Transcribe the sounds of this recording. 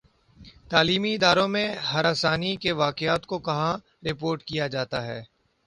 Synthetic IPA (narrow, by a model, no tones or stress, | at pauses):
t̪aːliːmiɪd̪aːɾõmẽɦɐɾaːsaːnikeʋaːkɪaːt̪kokɐɦã | ɾɪpoːɾʈkijad͡ʒaːt̪aɦɛː